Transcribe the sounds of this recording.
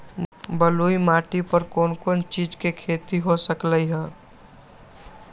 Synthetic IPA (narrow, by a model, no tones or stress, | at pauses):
bəluːimaːʈipəɾkoːnkoːnt͡ʃiːd͡ʒkekʰeːt̪iɦosəkləiɦɛ̃ː